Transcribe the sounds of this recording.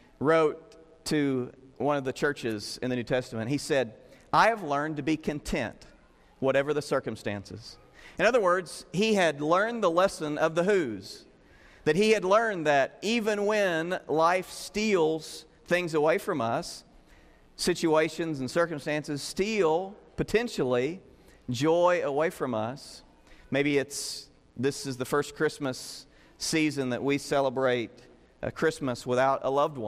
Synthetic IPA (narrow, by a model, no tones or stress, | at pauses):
ɹoʊtʰ | ɨwʌ̃nʌvðɨt͡ʃʰɜ˞t͡ʃɪzɨ̰̃nðɨnʉtʰɛstəmɨ̃nɦisɛɾʔaɪɨvlɜ̃˞ntɨbikʰɨ̃ntʰɛ̰̃nt | wʌɾɛvə˞ðɨsɜ˞kɨ̃mstæ̰̃nsɨ̰z̥ | ɨ̃nʌðə˞wɜ˞dz̥hiɨdˡlɜ̃˞nðəlɛsɨ̃nʌvðəɦʉz̥ | ðɨt̚hiɨdˡlɜ̃˞nðɨɾivɨ̃nwɨ̃nlaɪfstilˠz̥ | θɪ̃ŋzəweɪfɹʌ̃mʌsː | ɪt͡ʃueɪʃɨ̃nzn̩sɜ˞kɨ̃m̩stæ̃nsɨz̥stilˠpɨtʰɛ̃nʃl̩ˠi | d͡ʒɔɪəweɪfɹʌ̃mʌ̰s | meɪbiɨts | ðɪsɨzðɨfɜ˞skʰɹ̥ɪsmɨs | izɨ̃nðɨ̰ʔ̚wisɛlˠəbɹeɪt̚ | ʔɨ̰kʰɹ̥ɪsməswəθaʊɾə̰lʌvd̚wʌ̃